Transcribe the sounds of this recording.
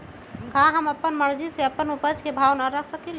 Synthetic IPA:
kãɦəməpːənməɾd͡ʒiseəpːənupəd͡ʒkebʱawnaɾəkʰsəkɛl

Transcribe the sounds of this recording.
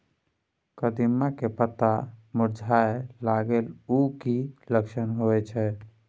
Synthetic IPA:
kəd̪imːakepət̪amuɾd͡ʒʱaelaɡelukiləkʃənɦoɛt͡ʃʰɛ

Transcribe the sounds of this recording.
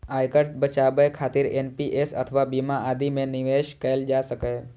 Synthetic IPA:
ajkəʈbət͡ʃabəjkʰat̪iɾenpiʔesə̰t̪ʰəʋabimãʔad̪imẽniʋeʃkəeld͡ʒaʃəkaj

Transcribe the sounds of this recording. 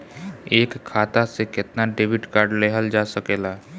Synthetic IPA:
eːkʰːaːt̪asekɪt̪naɖeːbɪʈkaːɾɖleɦəld͡ʒasəkeːlaɦɛ

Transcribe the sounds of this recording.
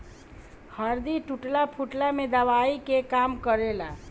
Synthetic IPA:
həɾd̪iʈuʈlapʰuʈlamed̪əʋaikekamkəɾela

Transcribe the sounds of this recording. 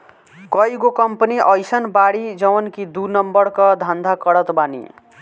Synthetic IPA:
kʌjɡokʌmpʌniʔʌjsʌnbaɽid͡zʌwʌnkid̪unʌmbʌɾkʌd̪ʱand̪ʱakʌɽʌt̪banḭ

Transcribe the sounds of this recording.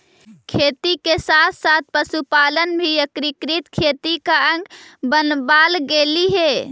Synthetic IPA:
kʰet̪ikesat̪ʰsat̪̚ʰpəsupalənbʱijəkɾikɾit̪kʰet̪ikaə̃ŋɡbənbalɡeliɦe

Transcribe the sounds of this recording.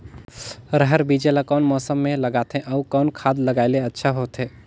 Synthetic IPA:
ɾəɦəɾbid͡ʒelakɔːnmɔːsəmːẽlɐɡaːt̪ɦẽʔɔukɔːnkʰaːd̪ləɡaːɪleɐtːʃʰaɦoːt̪ɦeː

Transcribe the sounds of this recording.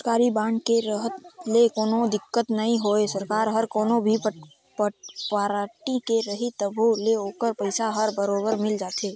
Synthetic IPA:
ɾkaːɾibãːɳɖkeɾəɦət̪lekoːnod̪ɪkːət̪nɐɦĩɦoːesɐɾkaːɾɦɐɾkoːnobʱi | pəpaɾaːʈikeɾɐɦit̪əbʱoleoːkəɾpəɪsaɦəɾbəɾoːbəɾmɪld͡ʒaːt̪ʰeː

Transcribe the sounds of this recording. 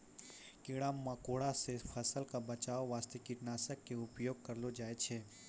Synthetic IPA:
kɪɽamːakoːɽasefʰɐsəlkabɐt͡ʃaːoʋaːst̪ekiʈnaːsəkːeʊpjoːɡ̚kɐɾlod͡ʒaːet͡ʃʰeː

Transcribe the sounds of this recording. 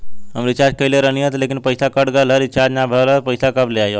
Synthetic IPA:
ɦəmɾit͡ʃad͡ʒkəileɾəniɦət̪lekinpəjsakəɽɡəlɦəɾit͡ʃʰad͡ʒnabʱələt̪pəjsakəbleajo

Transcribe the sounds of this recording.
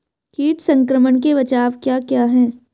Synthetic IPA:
kiːʈsɐ̃ŋkɾəməɳk̬eʋɐt͡ʃaːʋkjaːkjaːɦɛː

